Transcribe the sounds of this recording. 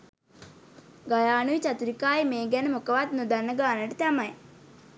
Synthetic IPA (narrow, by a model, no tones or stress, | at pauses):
ɡɐjaːnujit͡ɕɐt̪uɾikːaːjimeːɡanɐmukɐʋaːt̪nud̪ɐnːɐɡaːnɐʈit̪ɐmaj